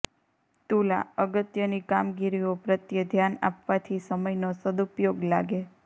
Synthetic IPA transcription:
t̪ula̰əɡət̪jənikamɡiɾiopɾət̪jəd̪ʱjana̰pʋat̪ʰisəməjnosəd̪upjoɡla̰ɡe

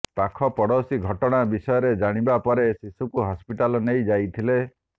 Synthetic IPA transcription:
pakʰɔpɔɽɔsiɡʱɔʈɔɽ̃abisɔjɔɾed͡ʒaɽ̃ibapɔɾesisukuɦɔspiʈalɔnejd͡ʒajt̪ʰile

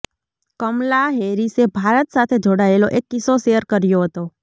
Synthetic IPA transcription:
kəmlaɦeɾisebʱaɾət̪sat̪ʰed͡ʒoɽaeloʔekːɪsoʃejəɾkəɾjoɦət̪o

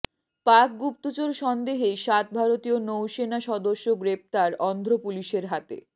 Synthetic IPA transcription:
pak̚ɡup̚t̪ot͡ɕoɾʃɔnd̪eɦeʃat̪̚bʱaɾot̪ionowʃenaʃɔd̪oʃːoɡɾep̚t̪aɾɔnd̪ʱɾopuliʃeɾɦat̪ḛ

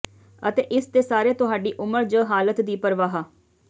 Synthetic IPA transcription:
ət̪eːʔɪst̪eːsaːɾeːt̪ʊɦaːɖiːʔʊməɾd͡ʒəːɦaːlət̪d̪iːpəɾʋaːɦaː

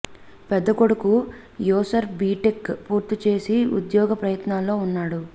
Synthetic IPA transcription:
pɛd̪ːɐkoɽuku | jɔːsɐɾbiːʈekpuːɾt̪it͡ʃe̞ːsiṵd̪jɔːɡɐpɾɐjɐt̪naːlːo̞ːunːaːɽu

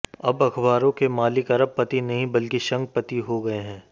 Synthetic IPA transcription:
ɐbɐkʰbaːɾõkemaːlɪkɐɾəb̚pːɐt̪inɐɦĩbɐlkiʃɐ̃ŋɡ̚pɐt̪iɦoɡɐeɦɛ̃ː

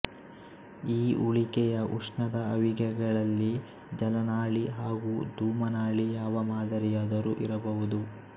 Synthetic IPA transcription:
iːuɭikɛjɐʔuʂɳɐd̪ɐɐʋiɡɛɡɐɭɐlːi | d͡ʒɐlɐnaːɭiɦaːɡuːd̪uːmɐnaːɭijaːʋɐmaːd̪ɐɾijaːd̪ɐɾuʔiɾɐbɐʋud̪u

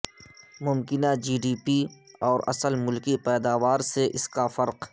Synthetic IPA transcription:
mʊmkɪnad͡ʒiːɖiːpiɔːɾɐ̰səlmʊlkipɛːd̪aːʋaːɾseʔɪskafɐɾq

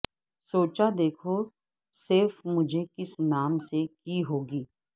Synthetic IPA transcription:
soːt͡ʃad̪eːkʰo | sɪɾfmʊd͡ʒʱekɪsnaːmsekiɦoːɡiː

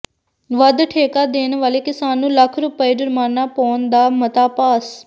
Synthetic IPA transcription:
ʋəd̪ʈʰeːkaːd̪eːnʋaːleːkɪsaːnːũːləkʰɾʊpəeːd͡ʒʊɾmaːnːaːpɔːnd̪aːmət̪aːpaːs

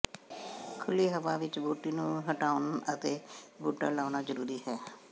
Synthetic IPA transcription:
kʰʊliːɦəʋaːʋɪt͡ʃbuːʈiːnũːɦəʈaːʊnət̪eːbuːʈə̰ːlaːnaːzəɾuːɾiːɦɛː

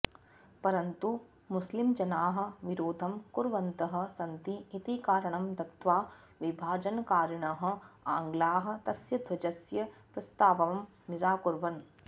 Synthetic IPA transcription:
pɐɾɐnt̪u | mʊslimd͡ʒɐnaːɦɐ̆ʋiɾoːd̪ʱɐmkuɾʋɐnt̪ɐɦɐ̆sɐnt̪iːt̪ikaːɾɐɳ̃ɐmd̪ɐkt̪ʋaː | ʋɪbʱaːd͡ʒɐnkaːɾɳɐɦɐ̆aːŋɡlaːɦɐ̆t̪ɐsjɐd̪ʱʋɐd͡ʒɐsjɐpɾɐst̪aːʋɐʋɐm | niɾaːkuɾʋɐn

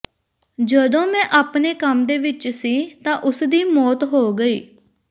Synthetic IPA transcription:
d͡ʒəd̪õːmɛ̃ːʔaːpneːkəmd̪eːʋɪt͡ʃsiːt̪ãːʔʊsd̪iːmɔːt̪ɦoːɡəiː

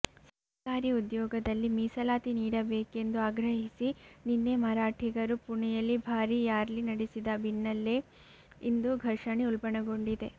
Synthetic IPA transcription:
sɐɾkaːɾiud̪jɔːɡɐd̪ɐlːimiːsɐlaːt̪iniːɽɐbeːke̞nd̪uaːɡɾɐɦisininːemɐɾaːʈʰiɡɐɾupuɳijɐlːibʱaːɾijaːɾlinɐɽesid̪ɐbinːɐlːe | ind̪uɡʱɐɾʂɐɳeulpɐɳɐɡo̞ɳɖid̪e̞

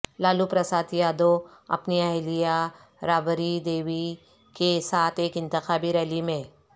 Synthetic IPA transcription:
laːlupɾɐsaːt̪jaːd̪oɐ̰pniɐɦlija | ɾaːbəɾid̪eːʋi | kesaːt̪ʰeːkɪ̃nt̪ɪxaːbiɾɛːlimẽ

